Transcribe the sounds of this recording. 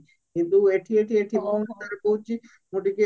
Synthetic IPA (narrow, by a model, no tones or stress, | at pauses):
kint̪ueʈʰieʈʰieʈʰibɔot̪aɾepoɦut͡ʃʰi | noʈike